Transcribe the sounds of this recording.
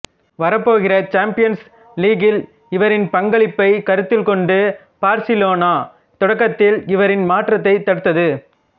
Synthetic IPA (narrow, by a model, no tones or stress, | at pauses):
ʋɐɾɐpːoːɣɪrɐt͡ʃaːmpɪjɐns | liːɡɪl | ɪʋɐɾɪnpɐŋɡɐɭɪpːɐɪkɐɾɯt̪ːɪlkɔɳɖɯ | b̥aːɾsɪloːnaː | t̪ɔɽɐkːɐt̪ːɪlɪʋɐɾɪnmaːʈrɐt̪ːɐɪt̪ːɐɽɯt̪ːɐðɯ